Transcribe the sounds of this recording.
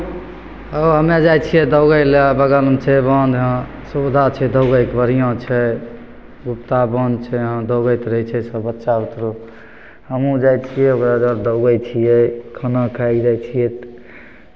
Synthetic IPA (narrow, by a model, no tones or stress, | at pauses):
əɦəmed͡ʒajt͡ʃʰijɛd̪əʊɡəjlbəɡəlmt͡ʃʰɛbənd̪ɦə̃ | sud̪ʱat͡ʃʰɛd̪əʊɡəjkbəɾijõt͡ʃʰɛ | ɡupt̪abənd̪t͡ʃʰɛɦə̃d̪əʊɡəjt̪ɾəɦit͡ʃʰɛsəbətːʃaut̪ɾo | həmũd͡ʒajt͡ʃʰijɛokɾad͡ʒəɾd̪əʊɡət͡ʃʰijɛkʰənakʰaid͡ʒajt͡ʃʰijɛt̪